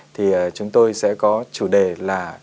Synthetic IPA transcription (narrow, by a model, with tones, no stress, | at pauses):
t̪ʰi˨˩ʔəː˨˩t͡ɕʊ˨˦ŋ͡mt̪o˧jsɛ̰˧˥kɔ˨˦t͡ɕu˧˩ɗe˨˩laː˨˩